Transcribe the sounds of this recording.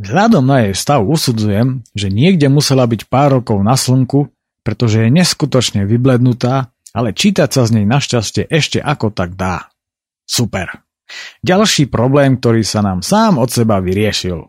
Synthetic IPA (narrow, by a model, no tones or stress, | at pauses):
vɦʎad̪ɔmnajɛjst̪aʊusud͡zujɛmʒɛɲɪɛɡɟɛmusɛlabicpaːɾːɔkɔʊnaslŋku | pɾɛt̪ɔʒɛjɛɲɛskut̪ɔt͡ʃɲɛʋiblɛd̪nut̪aː | alɛt͡ʃiːt̪acsazɲɛjnaʃcascɪɛʔɛʃcɛ̰ʔakɔt̪aɡ̚d̪aː | supɛɾ | ɟalʃiːpɾɔblɛːmk̚t̪ɔɾiːsanaːmsaːmɔt̪sɛbaʋiɾɪɛʃil